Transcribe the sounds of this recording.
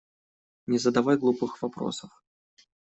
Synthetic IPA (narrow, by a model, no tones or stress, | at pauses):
nʲɛzɐd̪avajɡlˠupɨxvapɾɔ̰sɐf